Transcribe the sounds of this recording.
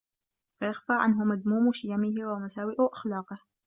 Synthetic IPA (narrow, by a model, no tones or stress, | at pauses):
fajaxfaːʕa̰nɦʊmad̪muːmʃɪjamɪhɪwamasaːwɪʔʊʔḁxlɑːqɨh